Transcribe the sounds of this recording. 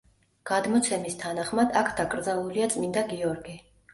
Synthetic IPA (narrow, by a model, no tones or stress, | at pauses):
ɡ̥ad̪mɔt̪sʰɛmist̪ʰanaχmad̪akʰd̪akʼɾd̪zalˠuliat̪sʼmind̪aɡiɔɾɡi